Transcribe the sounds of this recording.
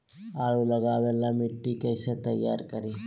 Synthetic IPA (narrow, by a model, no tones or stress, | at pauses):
aːɭulɐɡaːʋɛlːɐmiʈːikɐjsɐt̪ɐjːa̰ːɾkɐɾi